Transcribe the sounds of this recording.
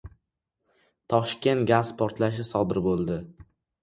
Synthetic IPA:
t̪ʰɒʃkʲe̞nt̪ɡʲazpʰɒɾt̪laʃɪsɒd̪ɪɾbolˠd̪ɪ

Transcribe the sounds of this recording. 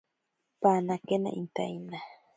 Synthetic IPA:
panakena̰ʔint̪a̰jna

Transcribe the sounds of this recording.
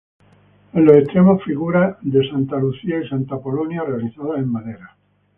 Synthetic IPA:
enlose̞ht̪ɾemo̞sfiɣuɾaðe̞sant̪aluθiaisant̪apo̞lonjare̞aliθaðase̞mːaðeɾa

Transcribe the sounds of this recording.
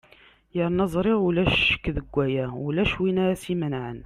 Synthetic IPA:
jəɾnɑzˤɾˤɪʁulæʃə̥kːðəɡʷːæjæwlæʃwinæsimənʕən

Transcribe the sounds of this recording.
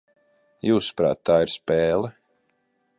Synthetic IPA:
juːspɾa̰ːt̪ːaːiɾspɛːlˠɛ

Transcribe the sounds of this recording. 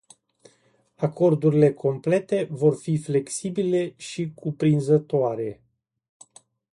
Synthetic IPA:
ako̞rd̪uɾile̞kʰo̞mple̞t̪e̞vo̞rfifle̞ksibile̞ʃikʰupɾinzət̪oaɾe̞

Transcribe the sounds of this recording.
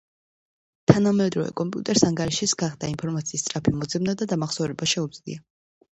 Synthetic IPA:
t̪ʰanamɛd̪ɾɔvɛ̰kʼɔmpʼjṵt̪ʼɛɾsaŋɡaɾiʃisɡaχd̪ainpʰɔɾmat̪sʰiːst̪sʼɾapʰimɔd̪zɛmnad̪ad̪amaχsɔvɾɛbaʃɛud̪z̥lḭa

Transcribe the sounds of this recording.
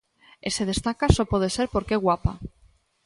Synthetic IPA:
eseð̞est̪akasopɔð̞eseɾpoɾkeɣwapa̰

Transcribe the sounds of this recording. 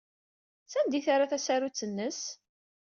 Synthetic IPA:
sænd̪iθaɾaθæsaɾut͡sːənːəs

